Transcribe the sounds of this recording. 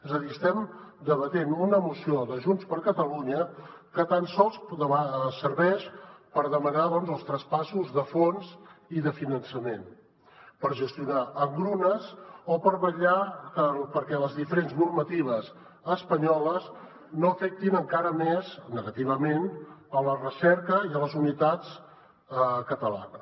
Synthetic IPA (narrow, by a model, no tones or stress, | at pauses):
ɛzəðiəst̪ɛmd̪əβət̪enunəmusioðəʒunspəɾkət̪əluɲəkət̪ansɔlˠsd̪əβasəɾβɛʃpəɾðəmənaðɔnzəlˠst̪ɾəspasuzðəfonziðəfinənsəmen | pəɾʒəst̪iunaəŋɡɾunəzopəɾβəʎakəpəɾkɛləzðifəɾenznurmət̪iβ̞əz | əspəɲɔləz | noəfɛk̚t̪inəŋkaɾəmɛznəɣət̪iβ̞əmenələrəsɛɾkəiələzunit̪at͡s | kət̪əla̰nəs